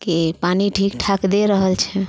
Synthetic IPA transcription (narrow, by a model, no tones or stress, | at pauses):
kipaniʈʰikʈʰakd̪eɾəɦəlt͡ʃʰɛ